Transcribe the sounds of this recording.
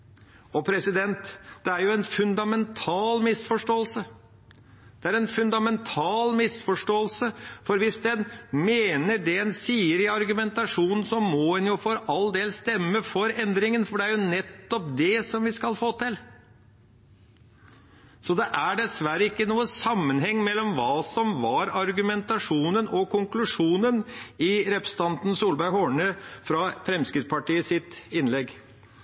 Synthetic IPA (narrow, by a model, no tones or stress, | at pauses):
ɔpʰɾɛsɪd̪ɛnt̪d̪̥ɛæɾjʊɛnfʉnd̪ɑmɛnt̪ʰɑːlmɪsfɔʂʈoːəlsə | d̪̥ɛæɾɛnfʉnd̪ɑmɛnt̪ʰɑːlmɪsfɔʂʈoːəlsəfɔɾʋɪsd̪ɛnmeːnəɖɛɛnsiːəɾɪɑɾɡʉmɛnt̪ɑʂuːnn̩sɔmɔɛnjʊfɔɾɑld̪eːlst̪ɛmːəfɔɾɛnd̪ɾɪŋənfɔɖɛæɾjʊnɛt̪ːɔp̚d̪ɛsɔmʋɪskɑlfoːt̪ɪl | sɔd̪ɛʔæɖɛsʋæɾəɪkːənuːəsɑmːənɦɛŋːmɛlːɔmʋɑːsɔmʋɑɾɑɾɡʉmɛnt̪ɑʂuːnənɔkʰʊŋklʉʂuːnənɪɾɛpɾəsət̪ʰɑnt̪n̩suːlbæɾhɔɳəfɾɑfɾɛmskɾɪt̪spɑʈiːəsɪt̪ɪnlɛɡ